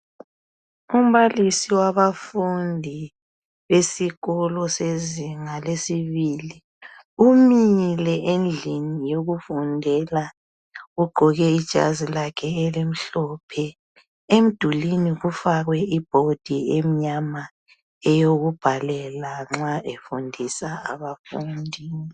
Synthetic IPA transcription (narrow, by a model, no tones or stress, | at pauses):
um̩βalisiwaβafundʱi | βesiɣɔlɔseziŋalesiβili | umilɛʔend͡ɮʱinijoɣufundʱɛla | ɣuɡ͡ǃʱɔɣɛid̥ʒ̥ʱa̰zilakʰɛelim̩ɬɔpʰɛ | em̩d̥ʱuliniɣufaɣwɛib̥ʱod̥ʱiemiɲama | ɛjoɣub̥ʱalɛlaŋ͡ǁaʔefundʱisaa̰βafundʱiːni